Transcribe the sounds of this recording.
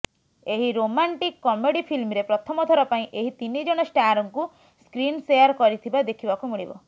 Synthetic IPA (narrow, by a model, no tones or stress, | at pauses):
eɦiɾomaɳʈikːɔmeɽipʰilmɾepɾɔt̪ʰɔmɔd̪ʱɔɾɔpaĩʔeɦit̪inid͡ʒɔɽ̃ɔsʈaɾɔŋku | skɾinsejaɾkɔɾit̪ʰibad̪ekʰibakumiɭibɔ̰